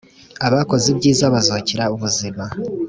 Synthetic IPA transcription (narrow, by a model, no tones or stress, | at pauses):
aβako̞zebɟiːzaβazociɾauβuzima